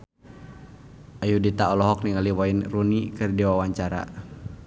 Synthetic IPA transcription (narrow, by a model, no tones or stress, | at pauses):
ajudit̪aɔlɔɦɔk̚niŋaliwainrunikɨrdiwawaɲt͡ʃaɾa̰